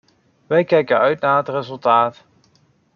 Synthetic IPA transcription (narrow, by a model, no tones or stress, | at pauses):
ʋɛjkɛjkənœɥtnaːətrɪzɵlˠtaːt